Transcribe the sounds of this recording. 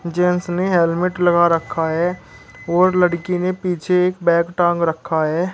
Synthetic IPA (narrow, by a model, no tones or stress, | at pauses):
d͡ʒeːnsneɦelmɪʈlɐɡaɾəkʰːaɦɛː | ɔːɾləɽkinepiːt͡ʃʰeeːkbɛ̃ːkʈãːŋɡɾəkʰːaɦɛː